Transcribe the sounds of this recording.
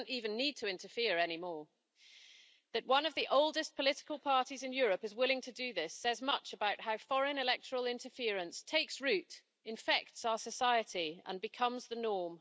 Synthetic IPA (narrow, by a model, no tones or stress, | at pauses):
ntivɨ̃nːid̚tʰəɪ̃ntəfɪəɹɛñimɔɹ | ðɨʔ̚wʌ̃nʌvðiʔoʊlˠdɨspʰəlɪtɪ̥kəlˠpʰɑɹɾizɨ̃njɔːɹəpɨzwɪlˠɪ̃ŋtʰɨdɨðɪsɛzmʌt͡ʃəbaʊʔ̚haʊfɒɹə̃nɨlɛk̚tʰəɹəlˠɪ̃ntʰəfɪəɹɨ̃nstʰeɪksɹʉt | ɨ̃ɱfɛk̚tsaʊə˞sɨsaɪɨtiə̰̃nbɨkʰʌ̃mzðənɔɹm